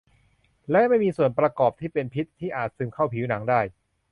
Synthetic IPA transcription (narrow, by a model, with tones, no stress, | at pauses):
lɛ˦˥ma˥˩jmiː˧su˨˩ənpɾa˧kɔː˨˩p̚t̪ʰiː˥˩pe˧npʰi˦˥t̪ʰːiː˥˩ʔaː˨˩t̪̚sɯ˧mkʰa˥˩wpʰi˩˦wna˩˦ŋdaː˥˩j